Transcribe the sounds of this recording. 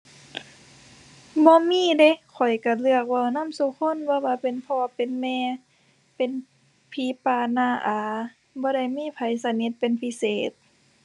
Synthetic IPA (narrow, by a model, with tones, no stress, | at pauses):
bɔː˧˦miː˧˥˨de˧˦kʰɔ˨˩jka˧˩lɯ˧ək̚wa˧˩˨wna˧˥˨msu˧˦kʰo˧˥˨nbɔː˧˦waː˧˨pe˨npʰɔː˧a˧pe˨nmɛː˧˨ | pe˨n | pʰiː˨˦paː˧˩naː˧˩ʔaː˨˧˦ | bɔː˧˦da˧˩jmiː˧˥˨pʰa˨˦jsa˧ni˧˦t̪̚pe˨npʰi˧seː˨˩t̪̚